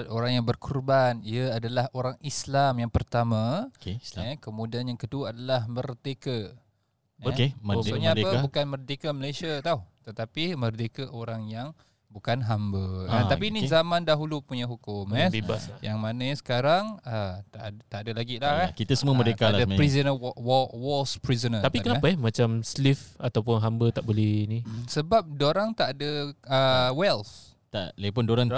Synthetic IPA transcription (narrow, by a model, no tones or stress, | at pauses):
t̪oɾaŋjaŋbərkʰurbaniəadalahoɾaŋislamjaŋpərt̪amãkeaəkəmũdianjaŋkəduaadalahmərt̪ekə | okeməsoɲəadəbukanmərt̪ekəməlasiat̪auht̪ət̪apimərt̪ekəʔoɾaŋjaŋ | bukanɦambəat̪apinizamãndaɦulupuɲaɦukʊmɛseba̰jaŋmanə̃ɲsə̥kaɾaŋət̪at̪aʔadəlaɡilaakit̪asəmũəmədekaladaapɾizənəwɔwɔlspɾizənət̪apikənapəɛmat͡ʃamslifat̪awpʊnɦambət̪aʔbolɛhinisəbap̚doɾaŋt̪aʔadəəwɛls | t̪a̰lepʊndoɾaŋ